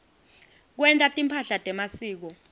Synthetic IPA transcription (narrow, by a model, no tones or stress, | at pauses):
k̬wɛntʼatʼimpʰaɬatʼɛmasiːk̬ɔ